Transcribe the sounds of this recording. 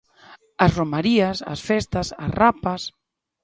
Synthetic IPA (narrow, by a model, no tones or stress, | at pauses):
ɐsromaɾiasɐ̰sfɛst̪asa̰rapɐs